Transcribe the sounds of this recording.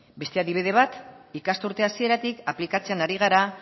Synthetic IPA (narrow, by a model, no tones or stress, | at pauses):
be̞st̪e̞aðiβeðe̞β̞at̪ikast̪uɾt̪e̞asie̞ɾat̪ikaplikat͡se̞anaɾiɣ̞aɾa